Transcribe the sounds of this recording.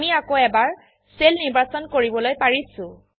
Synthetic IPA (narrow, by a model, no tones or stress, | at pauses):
miakoɛbaɹ | selniɹbasɔnkoɹibɔlojpaɹisʊ̃